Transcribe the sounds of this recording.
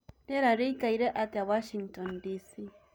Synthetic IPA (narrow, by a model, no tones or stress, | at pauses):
leɾaɾijkaiɾeʔat̪awaʃiŋtɔndisi